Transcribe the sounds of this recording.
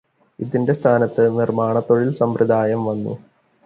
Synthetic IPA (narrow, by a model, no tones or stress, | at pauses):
iðinde̞st̪ʰaːnɐt̪ːɨnirmaːɳɐt̪ːo̞ɻilsɐmprɨd̪aːjɐmʋɐnːṵ